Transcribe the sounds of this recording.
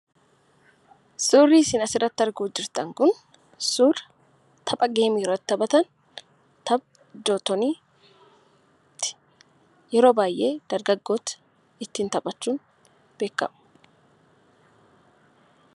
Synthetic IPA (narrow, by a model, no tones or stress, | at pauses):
suːrːiːsɪːnɐsɪrːɐt̪ːɪɐɾɡuːd͡ʒɪɾt̪ɐŋkʊn | suːr | t̪ʰɐpʼɐɡe̞ːmiːrːɐt̪ːɐbɐt̪ɐn | t̪ɐb̚ | d͡ʒoːt̪ɔniː | t̪ːɪ̥ | jɛɾo̞ːbaːjʔe̞ːd̪̥ɐɾɡɐɡːo̞ːt̪ɐ̥ | ɪt̪ːiːnt̪ɐpʼɐt͡ʃːuːn | b̥e̞ːkːɐ̰mʊ̥